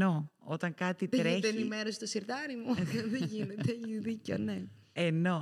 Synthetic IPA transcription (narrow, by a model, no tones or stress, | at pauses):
o̞ot̪ɐŋkɐt̪it̪ɾeðenimeɾost̪osiɾt̪ɐɾimuðeʝinet̪eiðico̰ne | eno̞